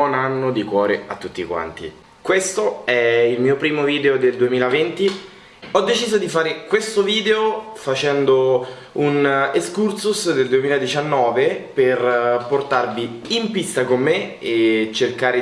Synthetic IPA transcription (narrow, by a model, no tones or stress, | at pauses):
ɔnanːod̪ikwɔːɾeat̪ːut̪ːikwa̰nt̪ḭ | kwest̪oɛilmiːopɾiːmoviːd̪eod̪eld̪uemiːlavent̪i | ɔd̪ːet͡ʃiːzod̪ifaːɾekwest̪oviːd̪eofat͡ʃɛnd̪o | uneskurt̪susd̪eld̪uemiːlad̪it͡ʃanːɔːveperport̪arviimpist̪akomːeet͡ʃerkaːɾe